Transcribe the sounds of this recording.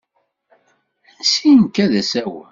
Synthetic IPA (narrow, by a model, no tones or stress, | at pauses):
sinkːæðæsæw